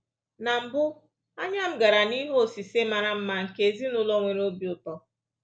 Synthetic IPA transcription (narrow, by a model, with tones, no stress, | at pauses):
na˨m̩˨bʊ˦ | a˦ɲa˦m̩˦ɡa˨ɾa˨ni˦ɦo˦˨si˨se˦ma˨ɾa˦m̩˦ma˨ŋ̩˨ke˨zi˦nʊ˦lɔ˦ŋʷe˨ɾo˦bi˨ʊ˨tɔ˦